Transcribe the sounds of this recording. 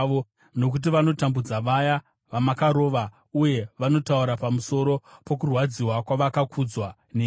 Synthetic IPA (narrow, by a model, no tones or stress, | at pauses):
o | no̞k̬ut̬iʋano̞tambud͡zaʋaja | ʋamakaɾo̞ːʋa | uje̞ʋano̞tauɾapamuso̞ɾo̞po̞kurwad͡ziwakwaʋakakʰud͡zwa | ne